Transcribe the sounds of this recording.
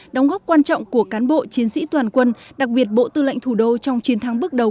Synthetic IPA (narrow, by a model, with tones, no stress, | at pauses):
ɗɔ˨˦wŋ͡mɣɔː˦˥p̚kwaː˧nt͡ɕɔ̰˧˨wŋ͡mku˧˩əkaː˨˦nɓo̰˧˨t͡ɕi˨˦ənsḭ˧˥t̪waː˨˩nkwə˧nɗa˨˩k̚ɓi˨˩ət̚ɓo̰˧˨t̪ɨ̰˧˨la̰˧˨jŋ̟t̪ʰu˧˩ɗo˧t͡ɕɔ˧wŋ͡mt͡ɕi˨˦ənt̪ʰaː˨˦ŋɓɨ˦˥ək̚ɗə˨˩w